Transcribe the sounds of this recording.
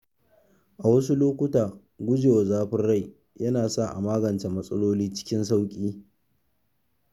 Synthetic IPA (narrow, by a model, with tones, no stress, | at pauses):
ʔa˨wɐ˦su˦loː˦kʷʊ˦taː˨ | ɡʷʊ˦d͡ʒeː˨wa˨zaː˦ɸɪ˦nɽa˦˨j | jɐ˦naː˨sa˦˨ʔa̰˨maː˦ɡɐ˨nt͡ʃe˨mɐ˦sʼɐ̰˦loː˦liː˦t͡ʃɪ̥˦kʲɪ˦nsa˦wkʲʼiː˦